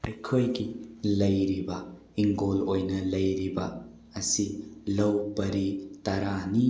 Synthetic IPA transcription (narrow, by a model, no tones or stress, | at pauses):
ɐjkʰojɡilɐjɾibɐ | iŋɡolojnɐlɐjɾibɐː | silɐwbɐɾitɐɾani